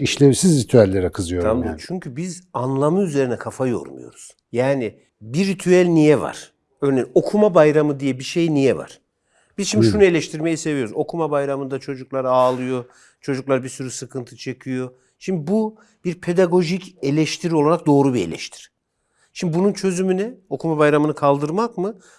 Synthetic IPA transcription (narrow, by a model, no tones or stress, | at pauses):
iʃlʲemsizɾit̪ʰyælʲːeɾɛkʰɯzɯjoad̪t͡ʃʰyɲcʰybizanlˠamɯyze̞ɾinɛkʰafajo̞̰ɾmṵjo̞̰ɾuz̥ | jaːnɪ | biɾit̪ʰyælʲnijɛva̰ɾ̥ | øɾnejino̞kʰumabajɾamɯd̪ijɛbiʃe̞jnijɛva̰ɾ̥ | b̥iz̥ʃimb̪iʃʃunɯe̞lʲɛʃt̪ʰiɾme̞jise̞vijo̞ɾuzo̞kʰumabajɾamɯnd̪at͡ʃʰo̞d͡ʒuklˠaɾaːlˠɯjo̞ | t͡ʃʰo̞d͡ʒuklˠaɾbisyɾysɯkʰɯnt̪ʰɯt͡ʃʰe̞cʰijo̞ | ʃimb̪ibu | b̥iɾpʰe̞d̪aɡo̞ʒice̞lʲɛʃt̪ʰiɾio̞lˠaɾak̚d̪o̞ːɾubielʲɛ̰ʃt̪ʰi̥ɾ̥ | ʃimbibununt͡ʃʰø̞zymynɛo̞kʰumabajɾamɯnɯkʰalˠd̪ɯɾmakmɯ